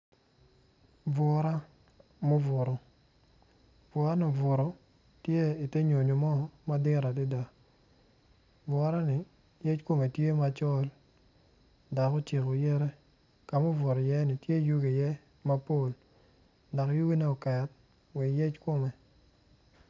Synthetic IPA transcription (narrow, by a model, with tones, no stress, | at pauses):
vɔ˨ɾa˦ | mo˦vʊ˨ɾo˨ | vɔ˨ɾa˦nɔ˨vʊ˨ɾo˨ | tje˦i˨te˦ɲo˨ɲo˨mɔ˦ma˦dɪ˦ɾa˨di˦da˨ | vwɔ˨ɾa˦nɪ˨ | je˦t͡ʃko˦me˨tje˦ma˦t͡ʃɔ˦l | da˨ko˦t͡ʃi˨ko˨jɛ˦ɾɛ˦ | ka˨mʊ˦vʊ˨ɾɔ˨jɛ˦nɪ˨tje˦˨ju˦ɡe˨jɛ˦ | ma˦po˦˨l | dɔ˨kju˦ɡi˦ne˦ɔ˨kɛ˨t̚ | wi˨je˦t͡ʃko˦me˨